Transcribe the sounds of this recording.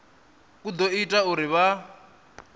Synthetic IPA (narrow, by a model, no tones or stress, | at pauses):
kud̪ɔitʼauɾiβa